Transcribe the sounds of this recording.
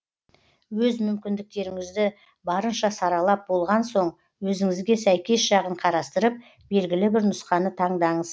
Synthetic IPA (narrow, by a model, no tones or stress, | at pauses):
wɵzmʏmkʲɪnd̪ɪk̚t̪e̞ɾɪŋɪzd̪ɪ | bɑɾənʃɑsɑɾɑlˠɑp̚bo̞lˠʁɑnso̞ɴ | wɵzɪŋɪzɡʲe̞sæjkʲe̞sʒɑʁəɴqʰɑɾɑst̪əɾəp̚ | b̥e̞lɡʲɪlɪbɪɾnʊsqɑnət̪ʰɑɴd̪ɑɴəz